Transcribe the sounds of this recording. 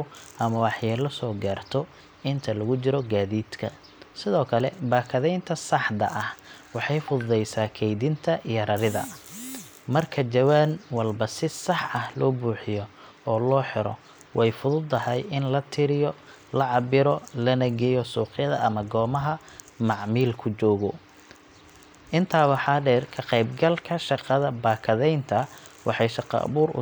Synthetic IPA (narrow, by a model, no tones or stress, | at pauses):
ʊʔɐmɐwɑħjɛːlɐsɔːɡaːrt̪ʰɔ | ɪnt̪ʰɐlɐɣʊt͡ʃɪɾɔɡaːðiːd̪kʰɐ̰ | sɪðɔːkʰɐlɛbaːkʰɐðɛjnt̪ʰɐsɑħd̪ɐʔɐhwɑħɑjfʊððɛjsaːkʰɛjðɪnt̪ʰɐʔijɐɾɐɾɪðɐ̰ | mɐrkʰɐd͡ʒɐwaːnwɐlbɐsɪsɑħɐhlɔːbuːħɪjɔ | ɔːlɔːħɪɾɔ̰ | wɛjfʊðʊd̪ːɐhɛjɪnlɐt̪ʰɪɾɪjɔ | lɐʕɑbɪɾɔlɐnɐɡɛjɔsuːqɪjɐðɐ̰ʔɐmɐɡɔːmɐɦɐmɑʕmiːlkʰʊt͡ʃɔːɣɔ | ʔɪnt̪ʰaːwɑħɑːɖɛːrkʰɐqɛjbɡɐlkʰɐʃɑqɐðɐbaːkʰɐðɛjnt̪ʰɐwʔɑ̰ħɑjʃɑqɑ̰ʔɐ̰βuːɾʊ̰